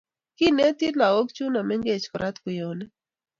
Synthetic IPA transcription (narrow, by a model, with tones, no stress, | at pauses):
kɪ˦nɛ˦t̪i˦la˨o˦kt͡ʃu˦na˨mɛ˦ŋɡe˦˨t͡ʃkɔ˨ɾʔa˦t̪kʊ˨jo˨nɛ˦